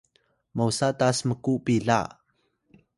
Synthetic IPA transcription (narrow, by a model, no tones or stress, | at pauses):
mawsatasməkuʔpiɮa̰